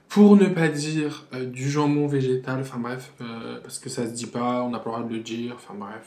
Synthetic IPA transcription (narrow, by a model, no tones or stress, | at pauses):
pʰuʁnəpad̪iːʁød̪yʒɑ̃mɔ̃veʒet̪alɑ̃fɛ̃bʁɛføpaʁsə̥kəsasd̪ipaɔ̃napalʁad̪ələd̪iːʁɑ̃fɛ̃bʁɛf